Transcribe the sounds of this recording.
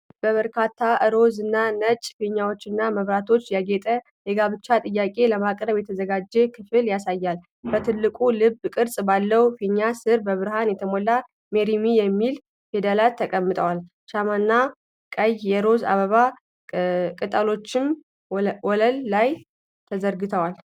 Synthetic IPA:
b̥əβəɾkʰat̪ʰːaʔɨɾo̞zɨnːanət͡ʃʼfiɲːawo̞t͡ʃːɪnːaməβɾat̪ʰo̞t͡ʃːjaɡet̪ʼə | jɛɡaβɨt͡ʃːat̪ʼɨjːakʼe̞ləmakʼɾəβjɛt̪ʰəzəɡad͡ʒːɛkʰɨfɨljasajːal | bət̪ʰɨlːɨkʼulɨbkʼɨɾsʼbalːəwfiɲːasɨɾbəβɨɾɦanjɛt̪ʰəmolːa | meɾimijɛmːil | fe̞d̪elalt̪ʰːəkʼəmːɨt̪ʼʰəwal | ʃamanːa | kʼəjjɛɾo̞za̰βəβa | kʼɨt̪ʼəlo̞t͡ʃːɪm | wɔləlːaj | t̪ʰəzəɾɡɨt̪ʰəwal

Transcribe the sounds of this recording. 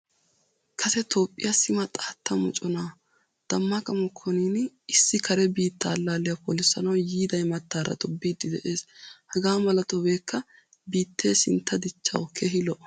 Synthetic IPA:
kʰɐsɛt̪ʰo̞ːpʼːɪ̰jɐsɪmɐt̪ʼaːt̪ʰːɐmɔ̰t͡ʃʼɔnaː | d̪̥ɐmːakʼɐmɔkʰːɔniːnɪsːɪkʰɐɾɛbiːt̪ːaːlːaːlɪjɐpɔlɪsːɐnɐwjiːd̪ɐjmɐt̪ːaːɾɐ̰t̪ɔbːiːd̪ɪd̪ɛʔe̞ːshɐɡaːmɐlɐt̪ɔbe̞ːkʰːɐ | biːt̪ːe̞ːsɪnt̪ʰːɐd̪ɪt͡ʃːɐ̰wkʰeɦɪlɔʔ

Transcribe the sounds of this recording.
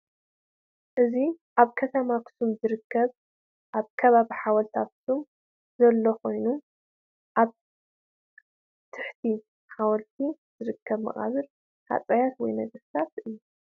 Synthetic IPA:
ʔɨzi | ʔaβkʰɐt̪ʰɐmakʰɨ̥sumzɨɾɨkːɐβ | ʔaβkʰɐβaβiħawɐlt̪ʰakʰɨ̥sum | zɐlːoxo̞jnu | ʔaβ | t̪ʰɨħt̪ʰi | ħawɔlt̪ʰi | z̥ɨɾɨkʰːɐβmɐ̰χʼa̰βɨl | ha̰t͡sʼɐjat̪wɔjnɐɡʼɨst̪at̪ʔɨjːu

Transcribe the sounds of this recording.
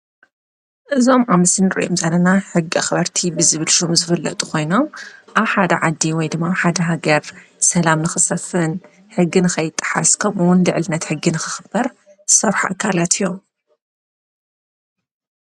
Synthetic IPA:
ʔɨzo̞mʔamɐsɨnɨɾɨ̰ʔomzɐlːɐnaħɨɡːiʔa̰xɨβɐɾt̪ʰibɨzɨβɨlʃomzɨfɨlːɐ̰t̪ʼukʰo̞jno̞mʔaβħad̪ɐ̰ʕad̪ːiwɔjd̪ɨmːaħad̪ɐɦaɡɐɾsɐlamnɨxɨsɐfɨn | ħɨɡːinɨxɐjɪt̪ʼːɨ̥ħaskʰɐmʔɨwʊnlɨʕlɨnːɐt̪ħɨɡːinɨxɨxɨb̥ːɐɾ | zɨsɐɾħaʔa̰kʰːalat̪ʰijːom

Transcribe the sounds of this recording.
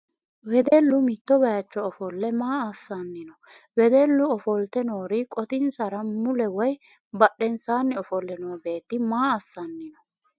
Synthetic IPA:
wɛd̪ɛlːʊmɪt̪ːɔbɐjɐt͡ʃːɔːfɔlːɛmaːɐsːɐnːɪnɔ | wɛd̪ɛlːʊɔfɔlt̪ɛno̞ːɾɪkʼɔt̪ɪnsɐɾɐmʊlɛwɔj | bɐɗɛnsaːnːɛɔfɔlːɛnoːbe̞ːt̪ːɪmaːɐsːɐnːɪnɔ

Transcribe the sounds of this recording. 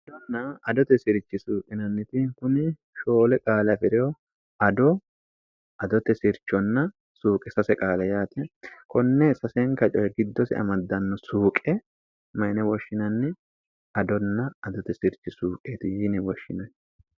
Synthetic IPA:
ɐd̪ɔnːɐɐd̪ɔt̪ɛsɪɾt͡ʃːɪsuːkʼɪnɐnːɪt̪ɪkʊnɪ | ʃoːlɛkʼaːlɐfɪɾɛɔ | ɐd̪ɔ | ɐd̪ɔt̪ɛsɪɾt͡ʃːɔnːɐ | suːkʼɛsɐsɛkʼaːlɛjaːt̪ɛkɔnːɛsɐsɛŋkɐt͡ʃʼɔjɛɡɪd̪ːɔsɪ̰ʔɐ̰mɐd̪ːɐnːɔsuːkʼɛ | mɐjnɛwɔʃːɪnɐnːɛ | ɐd̪ɔnːɐɐd̪ɔt̪ɛsɪɾt͡ʃːɪsuːkʼeːt̪ɪjɪnɪwɔʃːɪnɐn

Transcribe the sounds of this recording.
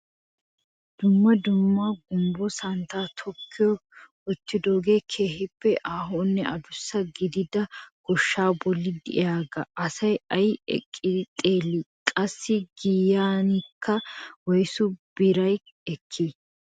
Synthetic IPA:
d̪̥ʊmːɐd̪ʊmːɐɡʊmbɔsɐnt̪aːt̪ʰɔkʰːɪjɔ | ɔt̪ːɪd̪o̞ːɡe̞ːkʰe̞ːhɪpːɛʔaːɦoːnːɛɐd̪ʊsːɐɡɪd̪ɪd̪ɐɡ̥ɔʃːaːbɔlːɪd̪ɪɪ̰jaːɡɐʔɐsɐjɐjɛ̰kʼːɪd̪ɪt̪ʼe̞ːlːikʼɐsːɪɡijaːnɪkʰːɐwɔjsʊb̥ɪɾɐj | ɛkʰːi

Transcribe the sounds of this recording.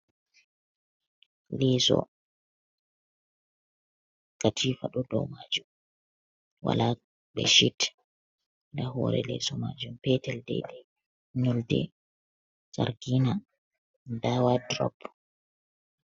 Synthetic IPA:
lɛsɔ̰ | katʰifaɗɔdɔmad͡ʒum | wa̰la | bɛʃit | dahɔ̰ɾɛ̰lɛsɔmad͡ʒumpɛtɛldɛ̰ɗɛ | ɲɔldɛ̰ | saɾɡina | dawadɾɔ̰pː

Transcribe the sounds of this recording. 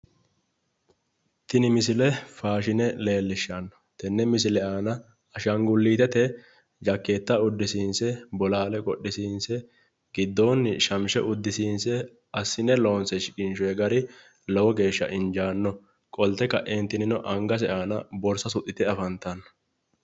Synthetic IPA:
t̪ɪnɪmɪsɪlɛfaːʃɪnɛle̞ːlːɪʃːanːɔ̥ | t̪ɛnːɛmɪs̬ɪlɛʔaːnɐ | ɐʃɐŋɡʊlːiːt̪ɛt̪ɛ | d͡ʒɐkːeːt̪ːɐʊd̪ːɪsiːnsɛbɔlaːlɛkʼɔɗɪsiːnsɛ | ɡ̥ɪd̪ːoːnːɪʃɐmʃɛ̰ʔʊd̪ːɪsiːnsɛ | ɐsːɪnɛlo̞ːnsɛʃɪkɪnʃɔɛɡɐɾɪ | lɔwɔɡe̞ːʃːɐ̰ʔɪnd͡ʒaːnːɔ | kʼɔlt̪ːɛkɐʔeːnt̪ɪnɪnɔʔɐŋɡɐs̬ɛʔaːnɐbɔɾsɐsʊt̪ːɪt̪ɛɐfɐnt̪ɐnːɔ̥

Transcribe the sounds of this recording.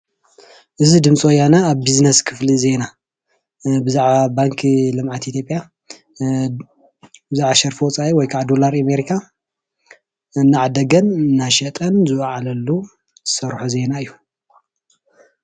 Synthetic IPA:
ʔɨzid̪ɨmt͡sʼojanaːβbiznɐskʰɨflize̞na | bɨzaʕabaŋkʰlɨmʕat̪it̪ʰjopʼja | bɨzaʕaʃɐɾfiwɔt͡sʼaʔiwɔjkʰaʕd̪olaɾameɾikʰa | ɨnːaʕad̪ɐɡɐnɨnːaʃɐt̪ʼɐnzɨwʕalɐlːu | z̥ɨsɐɾħuze̞naɨjːu

